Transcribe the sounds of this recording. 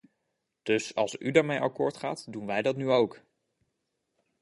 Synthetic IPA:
d̥ɵsɑ̰lˠsydaːɹmejʔɑkʊːɹtχa̰ːtdunʋɛjdɑtnyowk

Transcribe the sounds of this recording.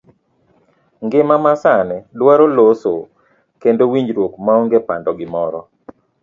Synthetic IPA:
ŋɡɪmamasanɛdwaɾoloso | kendowiɲd͡ʒɾwokmaoŋɡepandɔɡɪmɔɾɔ

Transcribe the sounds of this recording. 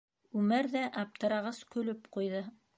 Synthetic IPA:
ʉmæɾðæʔɑp̚t̪ɤ̆ɾɑʁɑskɵ̆lɵpqujðɤ

